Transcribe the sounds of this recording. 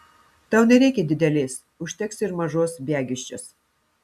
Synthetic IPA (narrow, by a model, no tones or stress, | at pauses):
t̪ɑˑʊnʲɛɾʲɛɪkʲɛd̪ʲɪd̪ʲɛlʲeːs | ʊʃʲt̪ʲɛksɪɾmɐʒoːsbʲæːɡʲɪʃʲt͡ʃʲos